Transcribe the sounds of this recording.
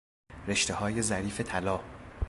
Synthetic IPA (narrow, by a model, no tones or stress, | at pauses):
ɾe̞ʃt̪e̞hɒːje̞zæɾiːfe̞t̪ʰælɒː